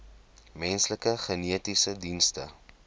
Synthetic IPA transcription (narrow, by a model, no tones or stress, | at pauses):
mɛnsləkəχəniətisədinstə